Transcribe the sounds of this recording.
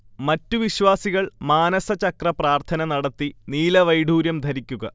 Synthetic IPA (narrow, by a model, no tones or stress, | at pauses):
mɐtːuʋiɕʋaːsiɣɐɭmaːnɐsɐt͡ɕɐkrɐpraːrt̪ʰɐnɐnɐɽɐt̪ːiniːlɐʋɐjɖʱuːɾjɐmd̪ʱɐɾikʲːuɣɐ